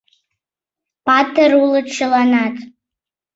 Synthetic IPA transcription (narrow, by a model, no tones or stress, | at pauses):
pʰatʰɨrulɨʈ͡ʂʰɨlanatʼ